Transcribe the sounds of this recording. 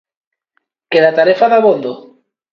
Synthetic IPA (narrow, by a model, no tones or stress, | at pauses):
keðat̪aɾefaðaβond̪o